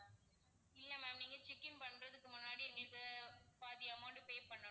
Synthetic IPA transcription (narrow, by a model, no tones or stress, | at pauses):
ɪlːɐmɛːmniːŋɡɐt͡ʃɪkːɪnpɐɳɾɐðɯkːɯmʊnːaːɽiɛŋɡɐɭkɐpaːðɪɐmɐːɳɖɯpeːpɐɳːɐ